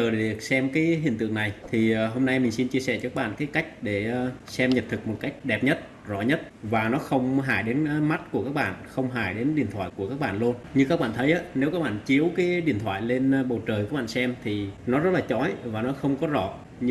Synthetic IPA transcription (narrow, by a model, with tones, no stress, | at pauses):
əː˨˩˨i˨˩ək̚sɛ˧mkaː˨˦jɦḭ˧˩ənt̪ɨ̰˧˨əŋna˨˩jt̪ʰi˨˩˨ɦo˧mna˧jmï˨˩ŋ̟si˧nt͡ɕi˧əsɛ̰˧˩t͡ɕɔ˧kaː˦˥ɓa̰ː˧˨nkaː˨˦jka˦˥jk̟̚ɗe˧˩˧sɛ˧mɲə˨˩p̚t̪ʰɨ˨˩k̚mo˨˩t̚ka˦˥jk̟̚ɗɛ˨˩p̚ɲə˦˥t̚ | zɔ̰˧˩˨ɲə˦˥t̚vaː˨˩nɔ˨˦xə˧wŋ͡mɦaː˧˩jɗe˨˦nma˦˥t̚ku˧˩əkaː˦˥k̚ɓa̰ː˧˨nxə˧wŋ͡mɦaː˧˩jɗe˨˦nɗḭ˧˨ənt̪ʰwaː˧˨jku˧˩əkaː˦˥k̚ɓa̰ː˧˨nlu˧nɲɨ˧kaː˦˥k̚ɓa̰ː˧˨nt̪ʰə˨˦jʔaː˨˦ne˨˦wkaː˦˥k̚ɓa̰ː˧˨nt͡ɕi˨˦əwkaː˨˦jɗḭ˧˩ənt̪ʰwaː˧˨jle˧nɓə˨˩wt͡ɕəː˨˩jkaː˦˥kɓa̰ː˧˨sɛ˧mt̪ʰi˨˩nɔ˨˦zə˦˥t̚laː˨˩t͡ɕɔ˨˦jvaː˨˩nɔ˨˦xə˧wŋ͡mkɔ˨˦zɔ̰˧˨ | ɲ˧